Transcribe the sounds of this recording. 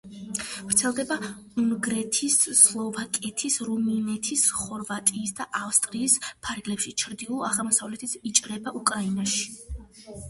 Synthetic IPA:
vɾt̪sʰɛlˠd̪ɛba | uŋɡɾɛt̪ʰisːlˠɔvakʼɛt̪ʰisɾuminɛt̪ʰisχɔɾvat̪ʼiːsd̪aʔafst̪ʼɾiːspʰaɾɡlɛpʃit͡ʃʰɾd̪iulˠa̰ʁɛlˠmɔsavlɛt̪ʰit̪ʰit͡ʃʼɾɛbaʔukʼɾainaʃi̥

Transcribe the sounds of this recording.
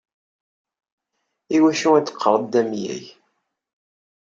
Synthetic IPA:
iwæʃuæt͡sːə̥qʰːəɾˤd̪æmjæ̰j

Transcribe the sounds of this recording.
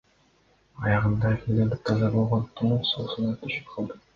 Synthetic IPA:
ɑjɑʁɯnd̪ɑfʲilʲd̪eɾd̪ik̚t̪ɑzɑbo̞lˠʁont̪ʰumuɴsosunɑt̪ʰyʃy̥p̚qʰɑlˠd̪ɯ

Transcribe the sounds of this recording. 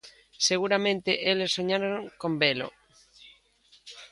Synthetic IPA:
seɣuɾamẽnt̪eʔelesoɲaɾoŋkombelo̰

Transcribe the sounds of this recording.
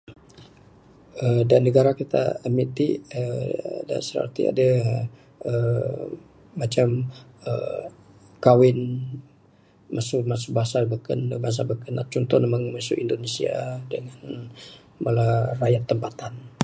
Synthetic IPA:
ədanːəɡaɾakit̪a̰əmit̪iəda̰nsəɾə̰rt̪ḭa̰da | ə | at͡ʃamə | kawɪn | masʊmasubaɦasabəkənəbaɦas̬abəkəna̰t̪̚t͡ʃɔnt̪ɔnəməŋmasuʔindonesia̰dəŋan | malarajat̪ːəmpat̪an

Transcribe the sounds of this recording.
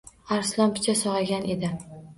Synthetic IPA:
aɾslɒmpʰɪ̥t͡ʃʰasɒʁɑɡʲane̞d̪ɪ

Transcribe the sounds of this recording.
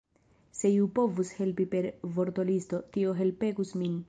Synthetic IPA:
se̞iupo̞vushe̞lpipe̞ɾvo̞ɾto̞listo̞tio̞ɦe̞lpe̞ɡusmin

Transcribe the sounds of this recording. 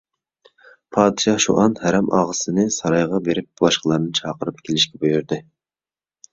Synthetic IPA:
pʰɑːd̪ɨʃɑhʃṵʔɑnhæɾɛmɑ̰ʁəsɨnɨsɑɾɑjʁɑbeɾɪp̚bulˠɑʃqəlˠɑɾnɨt͡ʃʰɑːqəɾɨp̚kʲʰelɪʃkʲɛbojyɾd̪ɨ

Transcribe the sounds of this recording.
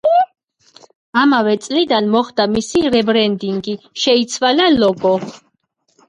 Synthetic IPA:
amavɛt̪sʼlid̪anmɔχd̪amisiɾɛbɾɛnd̪iŋɡiʃɛit̪sʰwalalɔɡɔ

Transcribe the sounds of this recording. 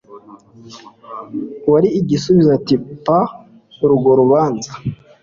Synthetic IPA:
waɾiːɟisuβizatipa | ɾuɡoɾuβaːnza

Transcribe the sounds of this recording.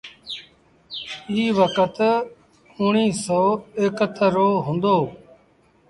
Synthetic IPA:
iːʋəkət̪ | ʊɳiːsoːeːkət̪ʰəɾoːɦʊ̃nd̪oː

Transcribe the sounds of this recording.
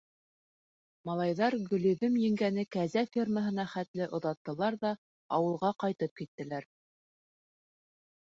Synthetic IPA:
mɑlˠɑjðɑɾɡɵ̆lɵ̆ðɵmjɘ̆ŋɡænɘkæzæfʲirməɦɤ̆n̪ɑχæt̪lɘʔŏðɑt̪ːɤ̆lˠɑɾðɑ | ɑwɤ̆lˠʁɑqɑjt̪ɤp̚kit̪ːɘ̆læɾ

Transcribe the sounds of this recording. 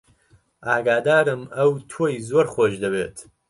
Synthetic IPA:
ʔaːɡaːd̪aːɾɨmɐwt̪ʰoːjzoɾχʷoːʒd̪ɐbḛːt̪ʰ

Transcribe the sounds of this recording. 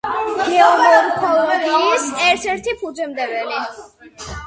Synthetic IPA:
ɡ̥ɛɛɔmɛmkʰɔlɔɡiisɛɾt̪ʰɛɾt̪ʰipʰud͡ʒɛmd̪ɛvɛli

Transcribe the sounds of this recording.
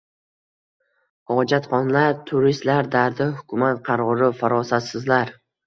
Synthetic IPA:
hɒd͡ʒat̪χɒnlaɾt̪ʰʊɾist̪laɾd̪aɾd̪ɪhʊkʰʲʊmat̪qʰɑɾɒɒɾɪfaɾɒsat̪sɪzlaɾ

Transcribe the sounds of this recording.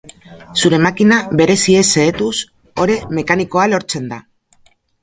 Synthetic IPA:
suɾe̞makinaβbe̞ɾe̞sie̞se̞ːt̪us | o̞ɾe̞me̞kaniko̞alo̞ɾt͡se̞nd̪a̰

